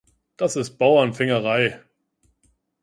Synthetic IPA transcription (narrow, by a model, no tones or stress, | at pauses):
d̥asɪst̚b̥aʊɐnfɪŋəʁ̞aɪ